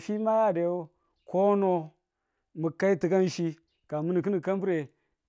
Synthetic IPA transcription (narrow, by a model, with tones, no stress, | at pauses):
fi˦ma˦a˨da˨jo˦ | ko˦no˦ | mu˨ka˦i˦ti˨ɡa˦n˦ʃi˦ | ka˨mu˦ni˨k̬ɨ˦ni˨ka˦m˦bu˦ɾe˨